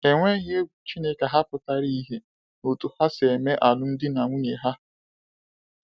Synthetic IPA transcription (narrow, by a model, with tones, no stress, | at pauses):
e˨ŋʷe˦ɣe˦ɡʷu˨t͡ʃi˦ne˦ka˨ɦa˦pʊ˨ta˦ɾi˦i˦ɦe˦ | no˨tu˨ha˦se˨me˦ʔa˨lʊ˦n̩˦dɪ˦na˨ŋʷu˦ɲe˨ɦa˦